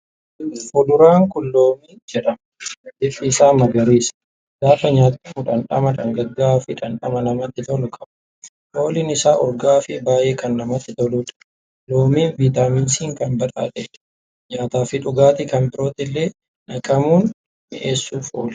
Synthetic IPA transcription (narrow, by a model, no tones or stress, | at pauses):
fɔd̪ʊɾaːŋkʊlːoːmiːd͡ʒɛᶑɐm | d̪ɪfːɪsaːmɐɡɐɾiːs | ɡaːfɐɲaːt̪ːɐmʊᶑɐnᶑɐmɐᶑɐŋɡɐɡːaːfɪᶑɐnᶑɐmɐnɐmɐt̪ːɪt̪ɔlʊkʼɐbɐ̥ | ʔo̞ːlɪnɪsaːʔɔɾɡaːfɪbaːʔe̞ːkɐnːɐmɐt̪ːɪt̪ɔluːᶑɐ̥ | loːmiːnviːt̪aːminsiːŋkɐnbɐᶑa̰ːᶑeᶑ | ɲaːt̪aːfɪᶑʊɡaːt̪ɪkɐmpɪɾoːt̪ɪlːe̞ː | nɐkʼɐmuːn | mɪʔeːsːuːfo̰ːl